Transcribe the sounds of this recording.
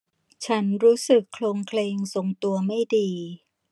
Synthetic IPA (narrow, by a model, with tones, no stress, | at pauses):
t͡ɕʰa˦˥nɾuː˦˥sɯ˨˩kʰːloː˧ŋkʰleː˧ŋso˨˩ŋt̪u˧ɐma˥˩jdiː˧